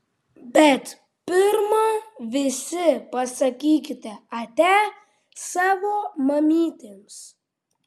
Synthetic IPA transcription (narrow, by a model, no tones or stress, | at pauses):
bʲɛt̪ | pʲɪɾmɐʋʲɪsʲɪpɐsɐkʲiːkʲɪt̪ʲɛɐt̪ʲæː | sɑːʋoːmɐmʲiːt̪ʲeːms